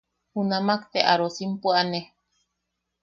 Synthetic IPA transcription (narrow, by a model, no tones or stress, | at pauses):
hunamakt̪eʔaɾosimpuane